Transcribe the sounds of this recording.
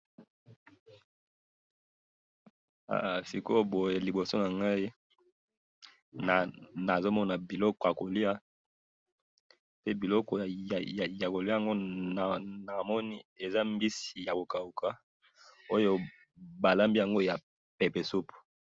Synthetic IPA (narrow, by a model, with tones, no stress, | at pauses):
a̰˨si˨ko˦bo˨je˨li˨bo˨so˦na˨ŋɡa˦i˦ | na˨na˨zo˦mɔ˦na˨bi˨lɔ˦kɔ˨ja˨ko˨li˦a˦ | pe˦bi˨lɔ˦kɔ˨ | ja˨ko˨li˦˨a˨ŋɡo˦na˨na˨mɔ˦ni˦e˨za˦m˦bi˦si˨ja˨ko˨ka˨u˨kʰa˦ | o˦jo˦ | ba˨la˦mbi˦ja˨ŋɡo˦ja˨ | pe˨pe˨su˦pu̥˨